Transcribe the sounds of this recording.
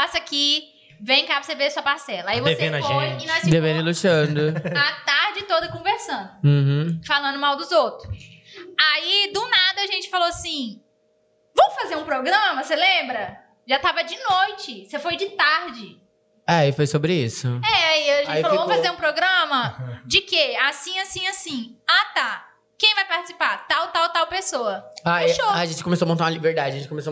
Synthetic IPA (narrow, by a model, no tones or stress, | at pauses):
pasɐkɪ | vẽj̃kabʊseveɐsuɐpaɾsɛlɐaivoeveẽnɐoẽinɔ̃sd̪evẽɾĩlut͡ʃɐ̃nd̪ʊat̪aɾd͡ʒɪt̪od̪ɐkõveɾsɐ̃nd̪ʊ̃h̩falɐ̃nd̪ʊmawd̪ʊzowt̪ɾʊsaid̪ʊnad̪ɐaʒẽt͡ʃɪ̥faloasĩ | vɐ̃m̃ʊfazeɾũpɾoɡɾɐ̃mɐselẽmbɾɐ | ʒat̪avɐd͡ʒɪnojt͡ʃɪsefojd͡ʒɪt̪aɾd͡ʒɪ | ɛaifojsobɾɪisʊɛaiaʒẽiflovõm̃fazeɾũpɾoɡɾɐ̃mɐd͡ʒɪkeasĩasĩasĩat̪a | kẽj̃vajpaɾt͡ʃɪ̥si̥paɾt̪awt̪awt̪awpesoɐaeʃoaɐʒẽnt͡ʃɪ̥kõmesoɐmõt̪aɾ̃ɐlibeɾd̪ad͡ʒɪɐʒẽnt͡ʃɪkõmeso